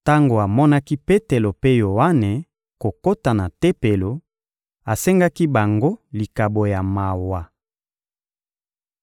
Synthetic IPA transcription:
ta˦ŋɡo˨a˨mɔ˦na˦ki˦pe˦te˨lo˨pe˦jo˨wa˦ne˨ | ko˨ko˦ta˨na˨te˦pe˨lo˨ | a˨se˦ŋɡa˦ki˦ba˨ŋɡo˦li˨ka˨bo˨ja˨ma˨wa˨

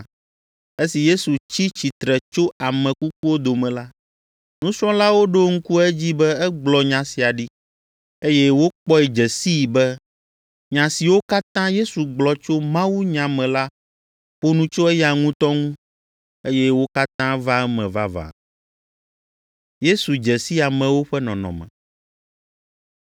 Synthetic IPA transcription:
e˦si˨je˦su˨t͡ɕi˦t͡ɕi˨t̪ɾɛ˨t͡ʃo˦a˨mɛ̃˨ku˦k̚u˦wo˦d̪o˨mɛ̃˨la˦ | nũ˦sɾɔ̃˦la˦wo˦ɖo˦ŋ̩˦ku˦ɛ˦d͡ʑi˦bɛ˦ɛ˦ɡ͡blɔ˨ɲã˨si˨a˨ɖi˦ | e˦jɛ˦wo˦k͡pɔ˦ɛ˨d͡ʒɛ˨si˦˨bɛ˦ | ɲã˨si˨wo˦ka˦t̪ã˦je˦su˨ɡ͡blɔ˨t͡ʃo˦mã˦wu˦ɲã˨mɛ̃˨la˦ | ɸo˦nũ˦t͡ʃo˦ɛ˦ja˨ŋũ˦t̪ɔ˦ŋũ˦ | e˦jɛ˦wo˦ka˦t̪ã˦va˦ɛ˦mɛ̃˨va˦va̰˨ | je˦su˨d͡ʒɛ˨si˦a˨mɛ̃˨wo˦ɸɛ˦nɔ̃˨nɔ̰̃˨mɛ̰̃˨

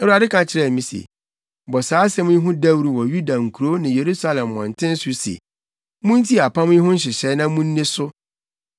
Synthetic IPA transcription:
ɛ˦u˦a˨dɪ˦kʰã˨t͡ɕʰɪ˦ɾɛ˦˨mĩ˦sḛ˨ | bɔ˨saː˨˦sɛ̃˦mʊ̃˦i˦ɦʊ̃˦da˦wɾu˨wɔ˨ju˦da˨ŋ̩˨kʰu˨ɾo˦nɪ̃˨je˨ɾu˦sa˦lɛ̃˨mːɔ̃˨n̩˨tʰɪ̃˦n˦sʊ˦sḛ˨ | mʊ̃˦n˦tʰi˦˨a˨pʰã˦mʊ̃˦i˦ɦʊ̃˦n̩˦ɕ̬ɪ˨ɕɛ˦nã˦mũ˦n̩˦nẽ˦sʊ˦

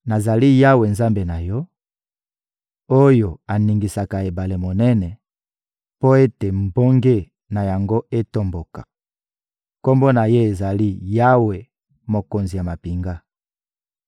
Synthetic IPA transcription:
na˨za˨li˦ja˦we˨nza˦mbe˨na˨jɔ˦ | o˦jo˨a˨ni˨ŋɡi˨sa˨ka˨e˨ba˨le˨mo˨nɛ˦nɛ˨ | po˦e˦te˨mbo˦ŋɡe˦ | na˨ja˨ŋɡo˦e˦to˦mbo˨kḁ˨ | ko˦mbo˦na˨je˦e˨za˨li˦ja˦we˨ | mo˨ko˨nzi˨ja˨ma˨pi˨ŋɡa˦

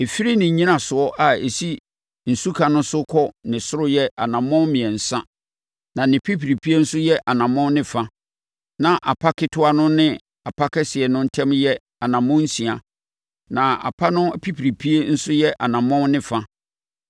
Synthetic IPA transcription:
e˨fi˦ɾi˦nɪ̃˨ɲĩ˦nã˨sʊ˨ɔ˦ʔa˨e˨si˦ | n̩˨su˦kʰa˨nʊ̃˦sʊ˦kʰɔ˦nɪ̃˨sʊ˦ɾʊ˦jɛ˦ʔa˨nã˨mɔ̃˦mĩ˨ɛ˨n̩˨sã˦ | nã˨nɪ̃˨pʰi˦pʰi˨ɾi˨pʰi˦e˦n̩˦sʊ˦jɛ˦ʔa˨nã˨mɔ̃˦nɪ̃˨fa˦ | nã˨ʔa˨pʰa˦kʰɪ˦tʰʊ˦a˦nʊ̃˦nɪ̃˦ | a˨pʰa˦kʰɛ˦sɪ˨ɛ˨nʊ̃˦n̩˦tʰɛ̃˦mjɛ˦ | a˨nã˨mɔ̃˦n̩˦sĩ˨a˨ | nã˨a̰˨pʰa˦nʊ̃˦pʰi˦pʰi˨ɾi˨pʰi˦e˦n̩˦sʊ˦jɛ˦ʔa˨nã˨mɔ̃˦nɪ̃˨fa˦

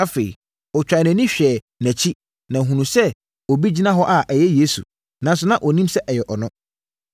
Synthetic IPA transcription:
a˦fe˨ḭ˨ | ɔ˨t͡ɕᶣa˨nɛ̃˨nĩ˦ɕᶣɛː˨ | næ̃˨t͡ɕʰi˦ | nã˨ɦũ˨nũ˨sɛ˦ | o˨bi˦d͡ʑi˦nã˦ɦɔ˦ʔa˦ʔæ˨jɛ˦je˦sṵ˨ | nã˨˦n˦s̬ʊ˨˦nã˦ʔɔ˨nĩ˦msɛ˦ʔɛ˨jɛ˨ʔɔ˨nʊ̃˦

